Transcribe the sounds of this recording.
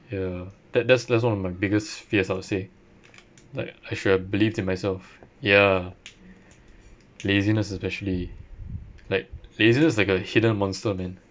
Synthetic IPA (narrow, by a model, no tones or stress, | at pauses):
jad̥ɛt̚dɛtsdɛtswãnɔfmaɪbɪɡəstfiəsaʊtse | laɪkaɪʃuɛbilivdĩnmaɪsɛlfja | lezinəsɛspɛʃəli | laɪk̚lezinəs̬laɪkəhidə̃nmɔ̃nstəmɛ̃n